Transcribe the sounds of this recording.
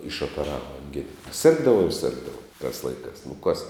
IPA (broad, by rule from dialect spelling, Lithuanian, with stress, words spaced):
ɪʃoːpʲɛˈrɑːʋɐ ɐŋʲˈɡʲɪnɐ ˈsʲɪrɡdɐʋɐʊ ɪr ˈsʲɪrɡdɐʋɐʊ tɑːs ˈlˠɐɪkɑːs nʊ kɐs